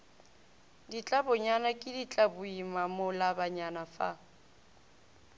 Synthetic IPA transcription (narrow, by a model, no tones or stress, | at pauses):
dit͡ɬʼabʊɲanakʼɪdit͡ɬʼabʊimamʊlabaɲanafa̰